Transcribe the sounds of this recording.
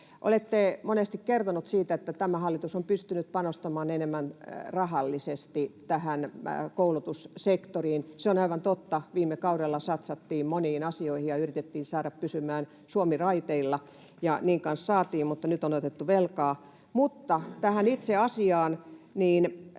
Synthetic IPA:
ʔo̰let̪ːemonest̪ikkert̪onut̪siːt̪æet̪ːæt̪æmæhɑlːit̪usompyst̪ynyt̪̚pɑnost̪ɑmɑːnenemːænrɑhɑlːisest̪it̪æhænkoulut̪ussekt̪oriːnseonɑiʋɑnt̪ot̪ːɑʋiːmːekɑuɾelːɑsɑt̪sɑt̪ːiːmmoniːnɑsioihijɑyrit̪et̪ːiːnsɑːɾɑppysymæːn | suomirɑit̪eilːɑ | jɑniːŋkɑnssɑːt̪iːmmut̪ːɑnyt̪onot̪et̪ːuʋelkɑː | mut̪ːɑt̪æhænit̪seɑsiɑːnniːn

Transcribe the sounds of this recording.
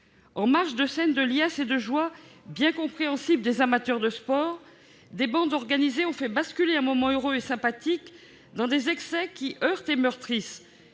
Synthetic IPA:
ɑ̃maʁʃd̪əsɛnd̪əljased̪əʒwabjɛ̃kɔ̃pχeɑ̃sibld̪ezamat̪œʁd̪əspɔːʁ | d̪ebɑ̃d̪ɔʁɡanizeɔ̃fɛbaskʲyleɛ̃mɔmɑ̃øʁøesɛ̃pat̪ik | d̪ɑ̃d̪ezɛksɛkʲiʔœʁt̪emœʁt̪χis

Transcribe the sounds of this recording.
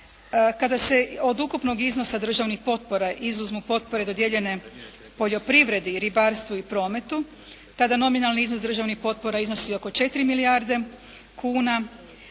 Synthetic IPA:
kad̪ase̞o̞d̪ukupno̞ɡizno̞sad̪r̩ʒaʋnixpo̞t̪̚po̞ɾaʔizuzmupo̞t̪̚po̞ɾe̞d̪o̞d̪jeʎe̞ne̞ | po̞ʎo̞pɾiʋɾe̞d̪iɾibaɾst̪ʋuipɾo̞ːme̞t̪u | t̪ad̪ano̞minalniiznosd̪ɾr̩ʒaʋnixpo̞t̪̚po̞ɾaizno̞sio̞ko̞t͡ʃe̞t̪iɾimilijaɾd̪e̞ | kʰuːna

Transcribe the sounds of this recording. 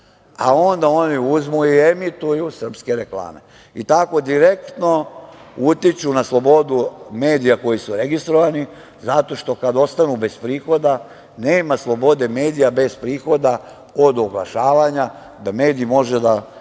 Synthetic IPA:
a̰o̞nd̪ao̞niuzmuie̞mit̪ujusr̩pske̞ɾe̞klˠa̰ːme̞̰ | it̪ako̞d̪iɾe̞kt̪no̞ut̪it͡ʃunaslˠo̞bo̞d̪ume̞ːd̪ijako̞jisuɾe̞ɡist̪ɾoʋani | zat̪o̞ʃt̪o̞kad̪o̞st̪anube̞spɾiːxo̞d̪a | ne̞ːmaslˠo̞bo̞d̪e̞me̞ːd̪ijabe̞spɾiːxo̞d̪a | od̪oɡlˠa̰ʃaːʋaɲa | d̪ame̞ːd̪iːmo̞ʒed̪a

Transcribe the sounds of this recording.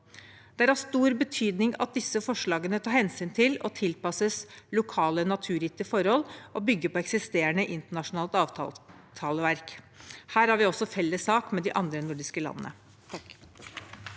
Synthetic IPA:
d̪̥ɛæɾæst̪uːɾbət̪ʰyːd̪nɪŋɑ̰t̪̚d̪ɪsːəfɔʂɭɑːɡənət̪ʰɑːɾhɛnsyːnt̪ʰɪlɔ̰t̪ʰɪlpɑsəslʊkʰɑːlənɑt̪ʰʉːɾɪt̪ːəfɔɾhɔlʔɔbʏɡːəpʰɔɛksɪst̪eːəɳəʔɪnt̪əɳɑʂʊnɑːlt̪ɑːʋt̪ʰɑ̰ | t̪ʰɑːləʋæɾk | hæːɾhæɾʋɪɔsːɔfɛlːəsːɑːkmɛd̪ɪʔɑnd̪ɾənʊɖɪskəlɑ̰nːə̰nə̰

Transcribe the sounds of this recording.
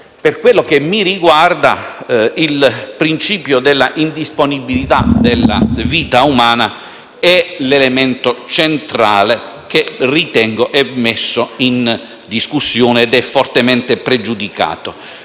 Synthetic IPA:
perkwelːok̟emːiɾiɡward̪a̰ilpɾint͡ʃiːpjod̪elːaʔind̪isponibilit̪ad̪elːa̰viːt̪aumaːna | ɛlelemɛnt̪ot͡ʃent̪ɾaːle | k̟erit̪ɛŋɡoʔɛmːesːoin | d̪iskusːjoːneːd̪ɛfːɔrt̪emɛnt̪epɾed͡ʒud̪ika̰ːt̪o

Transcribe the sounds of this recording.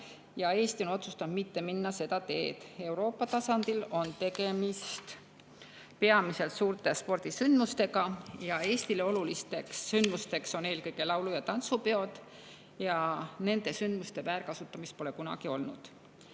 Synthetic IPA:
jɑe̞ːst̪iono̞t̪sust̪ɑbmit̪ːe̞minːɑse̞d̪̥ɑt̪e̞ːd̪̥e̞uɾo̞ːpːˑɑt̪ɑsɑnd̪̥ilo̞nt̪e̞ɡe̞mist̪ | pe̞ɑmise̞lt̪suːrt̪e̞spo̞rd̪̥isynd̪̥must̪e̞ɡɑjɑe̞ːst̪ileo̞lulist̪e̞ksːynd̪̥must̪e̞kso̞neːlkɤjɡ̥e̞lɑwlujɑt̪ɑnt̪supeo̞d̪ | jɑne̞nd̪̥e̞synd̪̥must̪e̞væːɾkɑsut̪ːˑɑmist̪̚po̞le̞kunɑ̰ɡ̥io̞lnṵd̪̥

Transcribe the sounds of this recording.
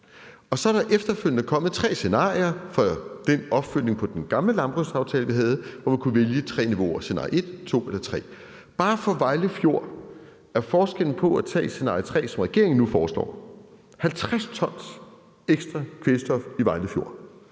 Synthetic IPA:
ɒ̽sɒ̽æɾɑ̈ʔefd̥ɐføl̰jənəkʰɒ̽mð̩ˠt͡sʰʁɛ̰ːse̝nɑ̰̈ːiɐfɒ̽d̥enɒ̽b̥føl̰ne̝ŋpʰɒ̽d̥enɡ̥ɑ̈mləlɑ̈mb̥ʁusɑ̈ʊt͡sʰɛːləʋiɦɛð̞̩ˠʋɒmænkʰuʋeljət͡sʰʁɛ̰ːniʋo̝̰ɐse̝nɑ̈ːie̝d̥t͡sʰo̝̰ːelɐt͡sʰʁɛ̰ː | b̥ɑ̈ːfɒ̽ʋɑ̈ɪləfjo̝ɐ̰ | æɐfɒːsɡ̥el̰n̩pʰɒ̽æt͡sʰɛ̰ːse̝nɑ̰̈ːit͡sʰʁɛ̰ːsɒ̽mʁɛɡ̥e̝ɐeŋn̩ːufɒːslɒ̰ː | hælt͡sʰʁast͡sʰɒ̽n̰s | eɡ̥sd̥ʁɑkʰʋesd̥ɒfiʋɑ̈ɪləfjo̝̰

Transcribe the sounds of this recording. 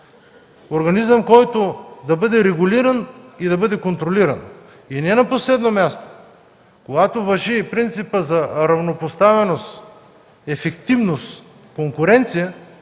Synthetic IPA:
oɾɡɐnizəmkɔjt̪od̪ɐbɤd̪ɛɾɛɡʊliɾɐnid̪ɐbɤd̪ɛkont̪ɾoliɾɐn | inɛnɐposlɛd̪nomʲast̪o̥ | koɡat̪ovɐʒipɾint̪sipəzɐɾɐvnopost̪avɛnost̪ | ɛfɛkt̪ivnost̪ | koŋkʊɾɛnt̪sijɐ

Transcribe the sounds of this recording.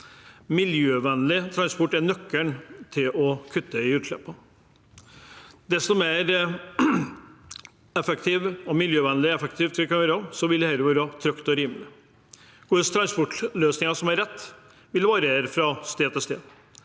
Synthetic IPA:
mɪljøːʋɛnlɪt̪ʰɾɑnspɔʈːɛnœkːəɳt̪ʰɪlɔkʰʉt̪ːəɪʉːt̪ʃɭɛ̰pːɔ | d̪ɛst̪ɔmeːɾ | ɛfɛk̚t̪ʰiːʋɔmɪljøːʋɛnlɪɛfɛk̚t̪ʰiːʋt̪ʰɪlkɔmɛɾɑsɔʋɪlɛhɛlɾəʋɑːɾɑt̪ʰɾœkt̪ɔɾiːmlɪ | kʊst̪ʰɾɑnspɔʈløːsnɪŋɑʂɔmæɾɛt̪ː | ʋɪld̪ɛʋɑːɾəeɾfɾɑst̪eːd̪ʰɪlst̪ḛːd̪

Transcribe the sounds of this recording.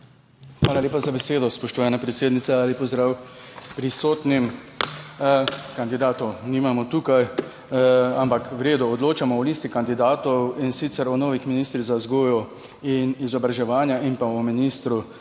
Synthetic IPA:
xʋaːlalʲeːpazabɛseːd̪ɔspɔʃt̪ɔʋanɛpɾɛt̪seːd̪nit̪sɛaːlipɔzd̪ɾaːwpɾisoːt̪nim | kand̪id̪aːt̪ɔwnimamɔt̪ukaj | ampakwɾeːd̪ɔɔd̪loːt͡ʃamɔɔliːst̪ikand̪id̪aːt̪ɔwinsit̪sɛɾɔnɔːʋixminiːst̪ɾiɣzazɡoːjɔ | inizɔbɾaʒɛʋaːnjaʔimpaɔminiːst̪ɾu

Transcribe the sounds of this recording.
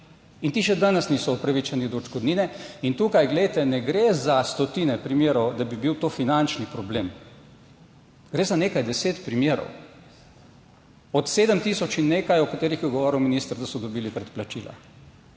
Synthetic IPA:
int̪iːʃɛd̪anəsnisɔɔpɾaʋit͡ʃanid̪ɔʒɡɔd̪niːnɛint̪ukajɡlɛjt̪ɛnɛɡɾezast̪ɔt̪iːnɛpɾimjeːɾɔwd̪abibiwt̪oːfinant͡ʃnipɾɔbleːm | ɡ̥ɾeːzaneːkajd̪ɛseːt̪pɾimjeːɾɔ̰w | ɔt̪seːd̪əmt̪isɔt͡ʃinːeːkajɔkat̪eːɾixjɔɡɔʋɔːɾiwminist̪əɾd̪asɔd̪ɔbiːlipɾɛt̪plat͡ʃila̰

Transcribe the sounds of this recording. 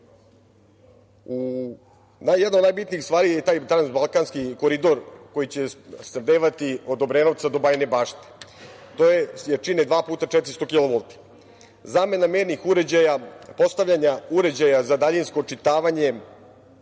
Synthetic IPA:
u | najd̪nod̪najbit̪niːxst̪ʋaːɾijet̪aːjt̪ɾanzbalˠkanskikoɾid̪o̞ɾko̞jit͡ɕesnad̪eːʋat̪io̞d̪o̞bɾeno̞ʋt̪sad̪o̞baːjne̞baːʃt̪e̥ | t̪ojejet͡ʃined̪ʋaːpuːt̪at͡ʃɛt̪ɾist̪o̞kiloʋolˠt̪i̥ | zaːme̞nameːɾnixuɾed͡ʑajapo̞st̪aʋʎaɲauɾe̞d͡ʑajazad̪aʎinsko̞t͡ʂit̪aːʋaɲe̞

